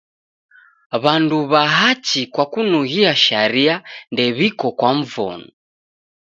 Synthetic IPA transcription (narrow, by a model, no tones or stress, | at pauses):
βanduβaɦat͡ʃikwakunuɣiaʃaɾiandɛβikɔkwaɱ̩vɔ̰nu